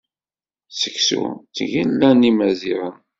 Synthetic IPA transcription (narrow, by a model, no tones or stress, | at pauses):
sə̥ksṵt͡sːəʝinlːænimæziɾən